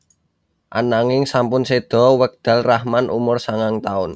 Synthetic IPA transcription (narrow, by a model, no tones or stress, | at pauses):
ʔa̰naŋɪŋsampʊnsed̪̥ɔ̤wək̚d̪̥ä̤lrahmanʔumʊrsaŋaŋt̪aʊn